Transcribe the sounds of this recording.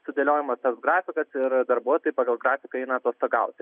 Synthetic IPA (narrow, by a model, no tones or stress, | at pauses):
sʊd̪ʲelʲoːjɪmɐst̪ɐsɡɾɑːfʲɪkɐsɪɾd̪ɐɾbuɔt̪oːjɪpɑːɡɐlˠɡɾɑːfʲɪkɐɛɪnɐːt̪uɔst̪ɐɡɐʊt̪ʲɪ